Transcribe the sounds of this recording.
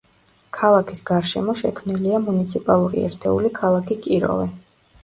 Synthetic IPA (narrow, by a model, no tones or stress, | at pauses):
kʰalˠakʰisɡaɾʃɛmɔʃɛkʰmniliamunit̪sʰipʼalˠuɾḭɛ̰ɾt̪ʰɛṵlikʰalˠakʰikʼiɾɔ̰vɛ